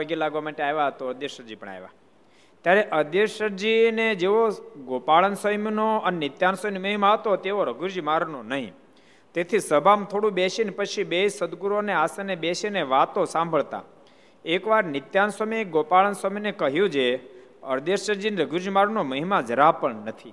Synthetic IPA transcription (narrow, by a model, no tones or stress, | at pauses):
əɡelaɡʋamaʈeajʋat̪oəɾd̪jeʃəɾd͡ʒipəɳa̰jʋa̰ | t̪jaɾeʔəɾd̪eʃəɾd͡ʒined͡ʒeʋoɡopaɭənsəmnoənenɪt̪jansəjnməɦimaɦət̪ot̪eʋoɾəɡʱuɾd͡ʒmaɾnonəɦḭ̃ | t̪et̪ʰisəbʱamt̪ʰoɽũbeʃinpət͡ʃʰibesəd̪ɡuɾoneasənebeʃeneʋat̪osãmbʱəɭt̪a̰ | ekʋaɾnɪt̪jansəmiɡopaɭənsəminekəɦjũd͡ʒe | əɾd̪eʃəɾd͡ʒinɾəɡʱuɾd͡ʒmaɾnoməɦimad͡ʒəɾapəɳnət̪ʰḭ